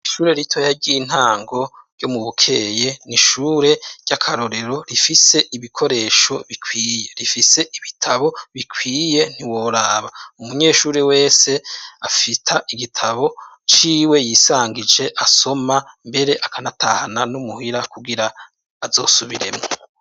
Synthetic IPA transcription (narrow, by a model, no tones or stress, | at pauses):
iʃuːɾe̞ɾitʰojaɟiin̥haːŋɡo̞ɾjo̞muβukʰe̞je̞niʃuːɾe̞ɟ̥akʰaɾo̞ɾe̞ɾo̞ɾifise̞ʔiβikʰo̞ɾe̞ːʃo̞βikʰwiːje̞ɾifise̞ʔiβitʰaβo̞βikʰwiːje̞n̥iwoɾaːβaumuɲe̞ːʃuːɾe̞we̞ːse̞afitʰaʔiɡitʰaβo̞ | t͡ʃiːwe̞jiːsaːŋɡid͡ʒe̞ʔaso̞mambe̞ɾe̞ʔakanatʰahananumuhiɾakuɡiɾaː | zo̞ːsuβiɾe̞̰mŋo